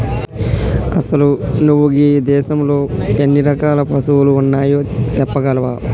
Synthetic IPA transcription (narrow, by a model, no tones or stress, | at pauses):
ɐsɐlunuʋːuɡiːd̪ɛːʃɐmlo̞ːenːiɾɐkaːlɐpɐsuwuluːnːaːjoːt͡ʃɛpːɐɡɐlɐʋaː